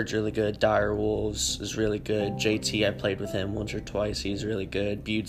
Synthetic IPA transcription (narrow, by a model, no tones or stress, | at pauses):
dzɹɪlˠiɡʊdaɪə˞wʊlˠvz̥ɨzɹɪlˠiɡʊd̚d͡ʒeɪtʰiaɪ̥pʰl̥eɪd̚wɨð̥ɪ̃mwʌ̃nsə˞tʰw̥aɪshizɹɪlˠiɡʊd̚bjʉ